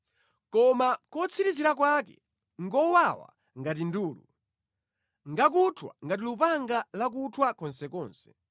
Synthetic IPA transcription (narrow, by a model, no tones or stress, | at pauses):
kɔmakɔt͡sʰiɾiziɾak̬wakɛ̰ | ŋɡɔwawa̰ | ŋɡat̬induːlṵ | ŋɡak̬utʰwa̰ŋɡatilupaŋɡalak̬utʰwakɔnsɛkɔːnsɛ̥